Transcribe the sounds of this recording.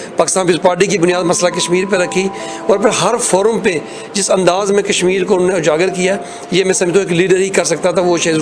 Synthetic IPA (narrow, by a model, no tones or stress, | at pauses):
paːkɪst̪aːnpiːspaːɾʈ̬ikibʊnijaːd̪mɐslakɐʃmiːɾpeɾɐkʰːi | ɔːɾpʰɪɾɦɐɾfʰoːɾəmpe | d͡ʒɪsɐ̃nd̪aːzmẽkɐʃmiːɾkoʊnoːneʊd͡ʒaːɡəɾkija | jemɛ̃ːsɐmt̪õeːkliːɖəɾɦikɐɾsɐkt̪at̪ʰaʋoʃaː